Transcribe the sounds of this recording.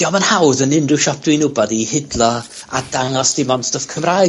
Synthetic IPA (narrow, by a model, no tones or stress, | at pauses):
jɔmanhawðənɪndɨʃɔp̚ʰd̥winʊbɔðihɪdlˠɔ | a̰d̥aŋɔsd̥ɪmɔnstəfkʰəmraː